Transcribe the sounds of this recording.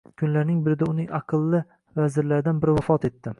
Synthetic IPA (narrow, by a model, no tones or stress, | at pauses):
kʰʊnlaɾnɪŋbɪɾɪd̪aʊnɪŋʔɑqʰɨlˠːɪ | vazɪɾlaɾɪd̪anbɪɾvafɒt̪e̞t̪ːɪ